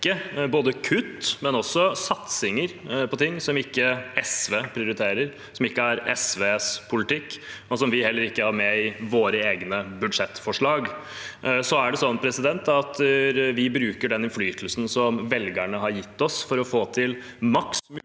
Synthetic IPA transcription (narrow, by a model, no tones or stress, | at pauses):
əboːd̪əkʰʉt̪ːmɛnɔsːɔsɑt̪sɪŋəɾpʰɔt̪ʰɪŋːsɔmɪkːəɛsʋeːpʰɾɪʊɾɪt̪ʰeːɾəɾ | sɔmɪkːəæɾɛ̰sʋeːspʰʊlɪt̪ʰɪkːɔsɔmʋɪhɛlːəɾɪkːəæɾmɛɪʋoːɾəeːɡnəbʉd̪ʂɛt̪ːfɔʂɭɑːɡ | sɔæɖɛsɔnːpʰɾɛsɪd̪ɛnt̪ɑt̪ʋɪbɾʉːkəɖɛnɪnflyːt̪ʰəlsn̩sɔmʋɛlɡəɳəhɑɾjɪt̪ːɔsfɔɾɔfoːt̪ʰɪl | mɑksm